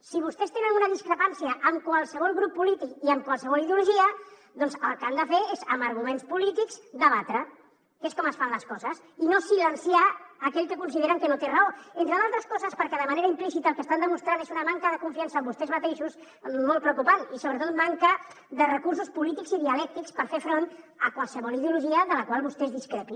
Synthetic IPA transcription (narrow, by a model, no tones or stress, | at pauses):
siβust̪ɛst̪enənunəðiskɾəpansiəʔːmkwalˠsəβ̞ɔlˠɣɾupːulit̪ikiəmkwəlˠsəβɔliðeuluʒiə | ðɔnzəlˠkand̪əfeezəməɾɣumenspulit̪ikzd̪əβat̪ɾə | keskɔməsfanləskɔzəs | inosilənsiaːkɛʎkəkunsiðeɾəŋkənot̪erəoent̪ɾəðalˠt̪ɾəskɔzəspəɾkɛðəməneɾəimplisit̪əlˠkəst̪and̪əmust̪ɾanezunəmaŋkəðəkuɱfiansəːmbust̪ɛzmət̪eʃus | mːolˠt̪̚pɾəukupanisoβɾət̪ot̪maŋkə | ðərəkurs̬uspulit̪ikziðiəlɛk̚t̪ikspəɾfefɾon | əkwalˠsəβɔliðiuluʒiəðələkwalˠβust̪ɛzðiskɾɛpi